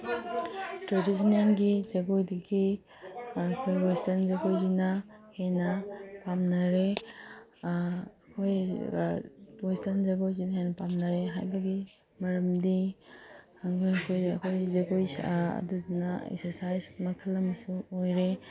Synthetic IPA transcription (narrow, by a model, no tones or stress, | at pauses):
tɾedisɐnenɡizɐɡojdiɡi | kʰojɾojstɐnzɐɡojzinɐhenɐpamnɐɾe | kʰoj | ɾojstɐnzɐɡojzinɐhejnɐpamnɐɾeɦajbɐɡi | mɐɾɐmdi | ɐŋkʰojɐkʰojɐ̰kʰojzɐɡojɐ̰duzinɐḛksɐɾsajsmɐkʰɐlːɐmɐsuojɾe